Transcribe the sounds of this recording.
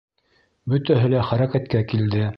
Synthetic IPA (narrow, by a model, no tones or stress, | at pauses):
bɵ̆t̪æɦɘlæχæɾækæt̪kækild̪ɘ